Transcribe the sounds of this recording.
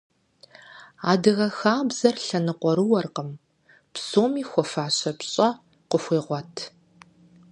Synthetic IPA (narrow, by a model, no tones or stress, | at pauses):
aːdɨɣɐxaːbz̥ɐrɬɐnɨqʷɔɾɨwɐrqəm | psoːmiːxʷɔfaːɕɐpɕʼɐ | qʷʊxʷeːʁʷɔtʰ